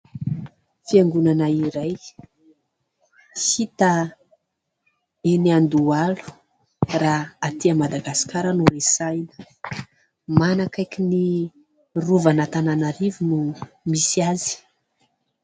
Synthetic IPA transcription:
fiaŋɡunanaiɾaj | hit̪a | eniand̪ualu̥ | raat̪iamad̪aɡasi̥kaɾənuɾesajnə̥ | manakajkini | ruvanat̪ananaɾivunumisiazi̥

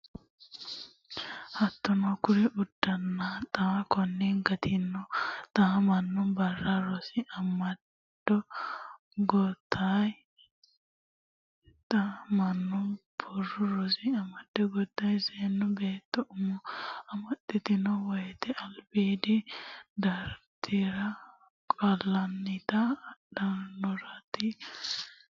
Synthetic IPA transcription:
hɐt̪ːɔnɔkʊɾɛʔʊd̪̥ːɐnːat̪ʼaːkɔnːɛŋɡɐt̪ʰɪnːɔt̪ʼamɐnːʊnbɐrːɐɾɔsɪɐmːɐ | d̪̥ɔ | ɡɔt̪ːaːj | t̪ʼɐmɐnːʊnbʰɔrːʊɾɔsɪɐmːɐd̪̥ːɔɡɔt̪ːɐjseːnːɔbeːt̪ːɔʔʊmɔɐmːɐt̪ːɪt̪ɪnɔwɔjɛt̪ɛʔɐlbiːd̪ɪd̪ɐɾt̪ʰɪɾɐ | kʼɐlːɐnːɪt̪ɐɗɐɾnɔɾɐt̪ɪ

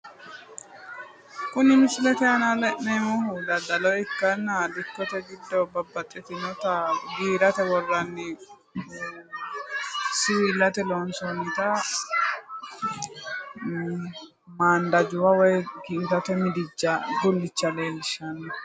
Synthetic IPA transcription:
kʊnɪmɪslɛt̪ɛɐnɐlɛʔnɛmɔhʊd̪ɐd̪ɐlɔjɪkːɐnːɐlɪkːɔt̪ɛɡɪd̪ːɔbɐbːɐt̪ʼːɪt̪ɪnɔt̪ɐɡiːɾɐt̪ɛwɔrːɐnːɪ | sɪwiːlːɐt̪ɛloːnsɔnɪt̪ɐ | maːnd̪ɐd͡ʒʊwɐwɔjɡiːt̪ɐt̪ɛmɪd̪ɪd͡ʒːɐd͡ʒʊlːɪt͡ʃːɐleːlɪʃːɐnːɐ

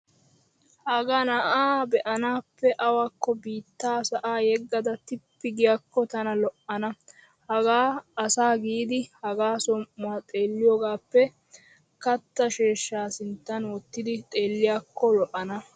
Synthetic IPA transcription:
hɐɡanɐʔaːbɛʔɐnaːpːɛʔɐwakːɔbiːt̪ːaːsɐʔaːjɛɡːɐd̪ɐt̪ɪpːɪɡɪjɐkːɔt̪ɐnɐlɔʔɐnɐ | hɐɡaːɐsaːɡiːd̪ɪhɐɡaːsɔmʔʊaːt̪ʼeːlːɪjɔːɡaːpːɛ | kɐt̪ːɐʃeːʃːaːsɪnt̪ːɐnwɔt̪ːɪd̪ɪt̪ʼe̞ːlːɪjakːɔlɔʔɐnɐ

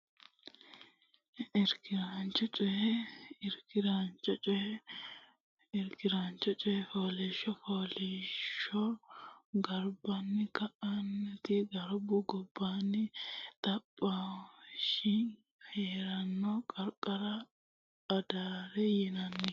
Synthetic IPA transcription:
ɪɾkɪɾant͡ʃːɔt͡ʃʼɔjɛɪɾkɪɾant͡ʃɔt͡ʃʼɔjɛ | ɪɾkɪɾant͡ʃːɔt͡ʃʼɔjɛfoːlɛʃːɔfoːlɛʃːɔ | ɡɐɾbɐnːɪkɐʔɐnːɛt̪ɪɡɐɾbʊɡɔbːanːɪt̪ʼɐpʼːaʃɪ | heːɾɐnːɔkʼɐɾkʼːɐɾɐː | d̪aːɾɛjɪnɐnːɪ

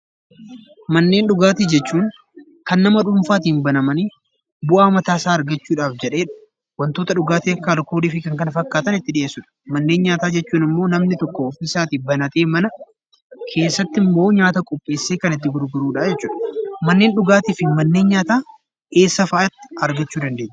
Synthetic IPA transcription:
mɐnːe̞ːnᶑʊɡaːt̪id͡ʒɛt͡ʃːuːŋ | kɐnːɐmɐᶑʊmfaːt̪̬iːnbɐnɐmɐni | bʊʔaːmɐt̪aːsaːɾɡɐt͡ʃːuːᶑaːfd͡ʒɛᶑe̞ːᶑɐ̥ | wɐnt̪o̞ːt̪ɐᶑʊɡaːt̪iɐkːaːlko̞ːliːfɪkɐŋkɐnɐfɐkːaːt̪ɐnɪt̪ːɪᶑɪeːsːʊᶑɐ̥mɐnːe̞ːnɲaːt̪aːd͡ʒɛt͡ʃːuːnɪmːo̞ːnɐmnɪt̪ɔkːɔɔfɪsaːt̪iːbɐnɐt̪e̞ːmɐnɐ | kʰe̞ːsːɐt̪ːɪmːo̞ːɲaːt̪ɐkʼɔpʼːe̞ːsːe̞ːkɐnɪt̪ːɪɡʊɾɡʊɾuːᶑaːd͡ʒɛt͡ʃːuːᶑɐmɐnːe̞ːnɗʊɡaːt̪iːfɪmɐnːe̞ːɲɲaːt̪aː | ʔe̞ːsːɐfaːʔɐt̪ːɪ̥ɐɾɡɐt͡ʃːuːd̪ɐnd̪eːɲː

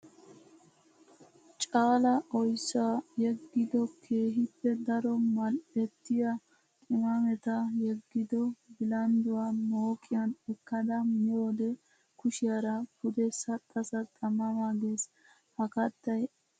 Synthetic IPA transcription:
t͡ʃʼaːlɐʔɔjsːaːjɛɡːɪd̪ɔkʰe̞ːɦɪpːɛd̪ɐɾɔmɐlɛt̪ːɪjɐ | kʼɪmɐmɛt̪ɐjɛɡːɪd̪ɔbɪlɐnd̪ʊwaːmo̞ːkʼɪjɐnɛkːɐd̪ɐmɪjoːd̪ɛ | kʊʃɪjɐɾɐpʊd̪ɛsɐt̪ʼːɐsɐt̪ʼɐmɐmaːɡeːs | hɐkɐt̪ːɐj

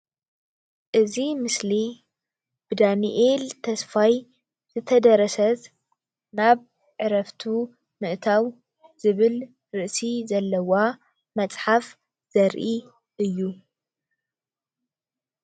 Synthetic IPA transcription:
ʔɨzimɨsli | b̥ɨd̪aniʔelt̪ʰɐsfaj | z̥ɨt̪ʰɐd̪ɐɾɐsɐt̪ | naβ | ʕɨɾɐft̪ʰu | mɨʔt̪ʰaw | z̥ɨβɨl | ɾɨʔsizɐlːɐwa | mɐt͡sʼħaf | z̥ɐɾʔi | ʔɨjːu

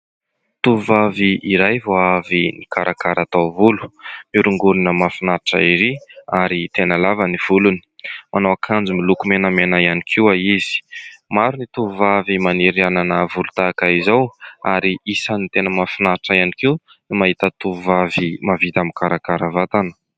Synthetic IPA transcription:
t̪uvaviʔiɾajvoavinikaɾʔakaɾʔat̪awvulu̥miɾuŋɡuɾunəmafinaʈ͡ʂa̰iɾiaɾit̪enəlavəniv̥uluni̥manawakʰand͡zumilukumenəmenaianikʰiwaizi̥maɾunit̪uuvavimaniɾiananəvulut̪akaizawaɾiisanit̪enəmafinaʈ͡ʂaianikiw | nimaɦit̪ət̪uvavimavit̪amikaɾakaɾəvat̪anə̥

